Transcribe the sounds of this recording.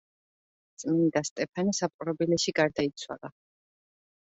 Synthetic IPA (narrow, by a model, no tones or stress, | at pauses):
t̪sʼminid̪ast̪ʼɛpʰanisapʼɾɔbilɛʃiɡaɾd̪ait̪sʰwa̰lˠa